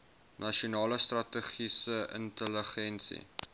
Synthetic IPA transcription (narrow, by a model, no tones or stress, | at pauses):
nɐʃiunɑːləst̪rɐtəχisəʔə̰ntələχɛnsḭ